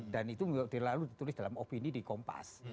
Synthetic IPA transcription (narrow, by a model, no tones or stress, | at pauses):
danit̪ud̪elalud̪it̪ulɪsd̥alamopinidikɔmpa̰s